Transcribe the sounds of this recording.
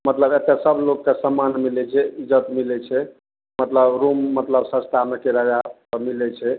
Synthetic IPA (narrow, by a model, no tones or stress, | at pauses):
mət̪ləbet̪esəbʱlokːesəmːanmilɛt͡ʃʰɛid͡ʒət̪milɛt͡ʃʰɛ | mət̪ləbɾumːət̪ləbsə̃st̪ʰamekeɾəd͡ʒa | milɛt͡ʃʰɛ